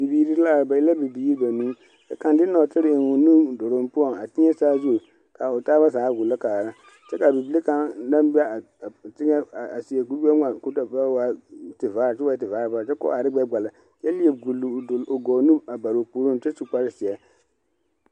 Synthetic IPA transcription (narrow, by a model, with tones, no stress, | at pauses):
bi˨biː˨ɾi˦la˦˨ɾba˨ɪ˦la˦bi˨bi˨ji˦ba˨nũː˦ | t͡ʃa˨ka˨ndɪ˦nɔ˨tɪ˦ɾɪ˦ɪ˨ŋʊ˨nu˦dʊ˨ɾʊ˦mpʊ˦ɔ˨ŋa˨tɪ˦ɛ˦saː˦zu˦˨ | ka˨ʊ˨taː˦βa˦zaː˨˦ɡʊ˨la˦kaː˨ɾa˦ | t͡ʃɛ˦ka˨bi˨bɪ˦li˦ka˦nna˦m˦bi˦ɛ˦˨ | tɪ˦ŋa˦˨a˨si˨ɛ˨ɡu˦a˦ŋa˨ku˦ta˨ba˦wa˦tɪ˨vaː˨˦ɾt͡ʃɛ˦waː˦t̬ɪ˨vaː˦ɾba˦˨t͡ʃɛ˦kɔ̰˦a˨ɾɪ˦ɡ͡bɛ˦ɡ͡ba˨la˨ | jɛ˦li˦e˨bɡu˨lo˨ɡɔː˨nu˦a˨ba˨ɾo˨puː˨˦ɾʊ˦n˨t͡ʃɪ˦su˨k͡pa˦ɾɪ˦sɪ˨ɛ˨